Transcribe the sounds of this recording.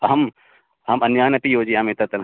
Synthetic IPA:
ɦɐm | ɦɐmɐnjaːnɐp̪ijoːd͡ʒiamet̪ɐt̪ɐn

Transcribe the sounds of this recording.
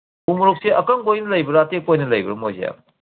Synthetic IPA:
umuɾuk̚seʔɐkɐŋɡojnɐlɐjbɐɾatekːojnɐlɐjbɐ̰ɾɐmojzḛja̰

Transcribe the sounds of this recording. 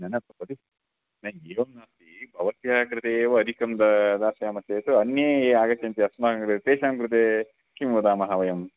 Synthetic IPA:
nɐnɐpɐpɐd̪i | nɐeːʋɐnnaːt̪ibʱɐʋɐt̪jakɾɪt̪eːʋɐɐd̪ʱikɐmd̪ɐd̪aːsjaːmɐseːt̪uɐnjɐeːaːɡɐt͡ʃɐnt̪iɐsmaːɦɐkɾɨt̪et̪eːʃaːmkɾɨt̪̬eː | kimʋud̪aːmɐɦɐʋɐjɐm

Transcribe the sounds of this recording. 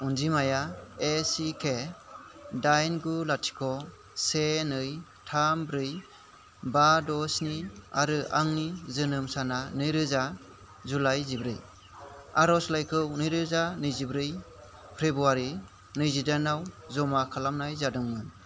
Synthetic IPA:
unzimajaesikʰe | dajnɡulatʰi̥kʰɔ | senɯjtʰambɾɯj | badɔsnia̰ɾɯa̰ŋnizɯnɯmsananɯjɾɯza | zulajzibɾɯj | aɾɔslajkʰɯwnɯjɾɯzanɯjzibɾɯj | pʰɾebɾuaɾi | nɯjzidanawzɔmakʰalamnajzadɯŋmɯn

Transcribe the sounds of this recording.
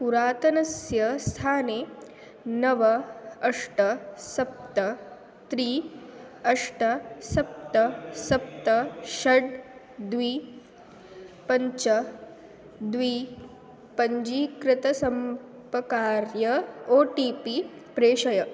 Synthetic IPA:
puɾaːt̪ɐnɐsjɐst̪ʰaːneː | nɐʋɐɐʂʈɐsɐp̚t̪ɐ | t̪ɾiː | ɐʂʈɐsɐp̚t̪ɐsɐp̚t̪ɐʃɐɖ | d̪ʋiː | pɐɲt͡ʃɐ | d̪ʋiː | pɐɲd͡ʒiːkɾɪt̪ɐsɐm | pɐkaːɾjɐoːʈiːpi | pɾeːʃɐjɐ

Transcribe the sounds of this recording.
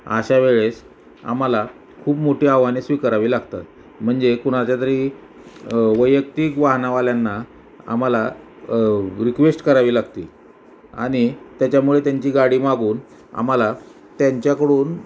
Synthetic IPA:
a̰ɕaʋeɭes | a̰m̤ala | kʰuːpmoʈeaʋanesʋikəɾaʋiːlaɡt̪a̰t̪ | m̤əɳd͡zekuɽ̃at͡ɕjat̪əɾiː | ʋəjəkt̪iːkʋaɦnaʋaljanːa | a̰mala | ɾikʋesʈkəɾaʋiːlaɡt̪ḭː | a̰ɽ̃it̪jat͡ɕjamuɭet̪jaɲt͡ɕiːɡaɽiːmaɡuːn | a̰m̤ala | t̪jaɲt͡ɕjakəɽuːn

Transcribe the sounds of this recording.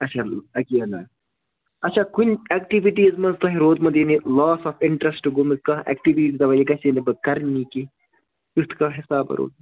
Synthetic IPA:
ɐt͡ʃʰaːɐkiɐna̰ː | ɐt͡ʃʰaːkunʲɛk̚ʈiʋiʈiːzmɐnzt̪ɐɦiɾoːd̪mɐnd̪jinilaːsɐfɪɳʈɾɐsʈuɡomiskɐɛ̰k̚ʈiʋiʈd̪ɐʋɐjikɐsinibɐkɐɾniːki | just̪ʰkɐɦɪsaːbɐ̰ɾo̰ːd̪̚

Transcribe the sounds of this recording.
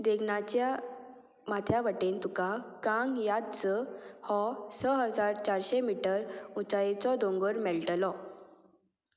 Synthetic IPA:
d̪eɡnat͡ɕja | mat̪ʰjaʋəʈent̪ukakãŋɡjad̪t͡səhɔsəɦəd͡zaɾt͡ɕaɾɕemiʈəɾut͡sajet͡sɔd̪õŋɡəɾmɛɭʈlɔ

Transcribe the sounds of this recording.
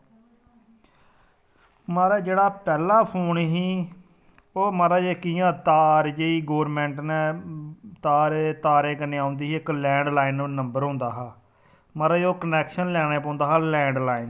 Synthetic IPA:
maːɾaːd͡ʒeːɽaːpɛːlaːpʰoːɳɦiː | oːmaːɾaːd͡ʒeːkiːjãːt̪aːɾd͡ʒeːiːɡoːɾmɛ̃ːɳʈnɛ̃ː | t̪aːɾeːt̪aːɾẽːkənːeːãːʊnd̪iːɦːɪklɛ̃ːɳɖlaːɪnnəmbəɾɦõnd̪aːɦaː | maːɾaːd͡ʒeːoːkənɛːkʃənlɛːɽeːpõːnd̪aːɦaːlɛ̃ːɳɖlaːɪn

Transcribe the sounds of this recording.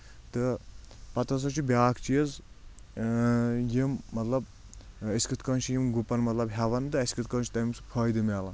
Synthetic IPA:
t̪ɨ | pɐt̪ɐs̬ɐt͡ʃʰibʲaːkt͡ʃijɐz | jimːɐt̪lɐb | ɐsʲkɨt̪kɐnt͡ʃʰijimɡupɐnmɐt̪lɐbɦɐʋɐnd̪ɨɐskɨt̪kɐːnt͡ʃʰi̥t̪ɐmʲimsɨ̥pʰɐːjd̪ɨmʲaːlɐ

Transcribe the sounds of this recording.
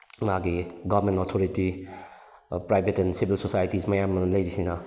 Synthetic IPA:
ŋaɡiɡɔbɾmẽntɔtʰoɾiti | pɾajbʱetɛnsibʱilsosajtismɐjamlɐjɾisina

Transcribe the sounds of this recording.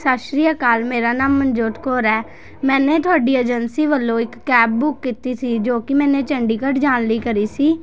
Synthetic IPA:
saːʃɾiːjaːkaːlmeːɾaːnaːmːənd͡ʒoːt̪koːɾɛː | mɛ̃ːnẽːt̪ʊaːɖiːed͡ʒənsiːʋəlːõːɪkːɛːb̚bʊkːiːt̪iːsiːd͡ʒoːkɪmɛ̃ːnẽːt͡ʃəɳɖiːkəʈd͡ʒaːnliːkəɾiːsiː

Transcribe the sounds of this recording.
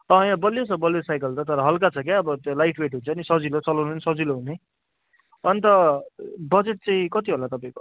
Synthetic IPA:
ʌ̃jãbʌljot͡sʰʌbʌljosajkʌlt̪ʌt̪ʌɾʌɦʌlkat͡sʰʌkeʌbʌt̪olajʈweʈɦunt͡sʰʌnisʌd͡zilot͡sʌlanensʌd͡ziloɦune | ʌnit̪ʌ | bʌd͡zeʈ̚t͡sãĩkʌt̪iɦolat̪ʌpaĩko

